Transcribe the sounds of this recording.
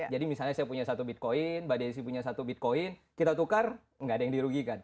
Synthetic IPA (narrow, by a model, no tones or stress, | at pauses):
d͡ʒadimisalɲasajapuɲasat̪ubit̪̚koɪnbadais̬ipuɲasat̪ubit̪̚koɪnkit̪at̪ukar | ŋɡaːdajaŋdiɾuɡikan